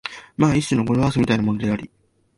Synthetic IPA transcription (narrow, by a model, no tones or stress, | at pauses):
maːiɕ͈inoɡoɾoβasɨmʲit̪ainamo̞no̞d̪e̞aɾʲi